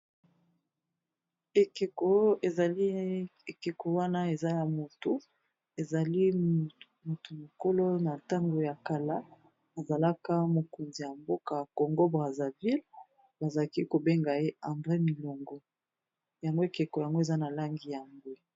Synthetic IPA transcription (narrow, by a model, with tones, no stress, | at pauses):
e˨ke˨ko˦e˨za˨li˦e˨ke˨ko˨wa˦na˦e˨za˦ja˨mo˨tu˨ | e˨za˨li˦ | mo˨tu˨mo˨ko˦lo˦na˨ta˦ŋɡo˨ja˨ka˨la˦ | a˨za˨la˦ka˦mo˨ko˨nzi˨ja˨mbo˦ka˨ko˨ŋɡo˦bʁa˨za˨vi˦l | ba˨za˨la˦ki˦ko˨be˦ŋɡa˨je˦a˨mdʁɛ˦mi˨lo˨ŋɡɔ˦ | ja˨ŋɡo˦e˦˨ke˨ko˨ja˨ŋɡo˦e˨za˦na˨la˦ŋɡi˨ja˨ŋɡo˦